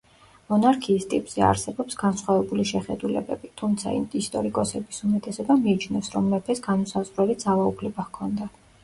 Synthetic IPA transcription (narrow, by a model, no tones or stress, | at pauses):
mɔnaɾkʰiːst̪ʼipʼz̥ɛa̰ɾsɛbɔpsɡansχwavɛbuliʃɛχɛd̪ulɛ̰bɛ̰bit̪ʰumt̪sʰa̰ḭmʼist̪ʼɔɾikʼɔsɛbisumɛt̪ʼɛsɛbamiːt͡ʃʰnɛfsɾɔmːɛpʰɛsɡanɔsazʁɾɛlid̪zavaupʰlɛbahkʰɔnd̪a